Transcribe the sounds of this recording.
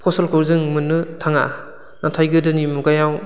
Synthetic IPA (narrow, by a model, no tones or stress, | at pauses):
kʰɔsɔlkʰɯwzɯŋmɯnːɯtʰaŋa̰ | natʰajɡɯdɯnimuɡajaw